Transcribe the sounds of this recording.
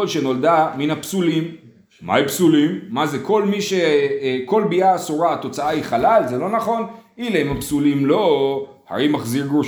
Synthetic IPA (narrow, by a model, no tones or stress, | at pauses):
odʃeno̞ld̪aminapsulim | mʔa̰ipsulimːazeko̞lmiʃeko̞lbiasoʁaːt̪o̞t͡saaiχalalzelo̞naχo̞nileemapsulimlo̞ | ha̰ɾejmaχziɡu